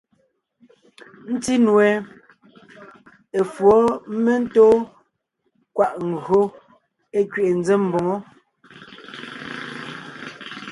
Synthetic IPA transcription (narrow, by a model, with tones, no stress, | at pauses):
n̩˦ti˦nwɛ˨ | e˨fwɔ˨˦me˦n̩˦toː˦ | kwa˦˨ʔŋ̩˨ɡɰo˦ | e˦kɥe˨ʔe˨n̩˦d͡ze˦m˨bo˨ŋo˦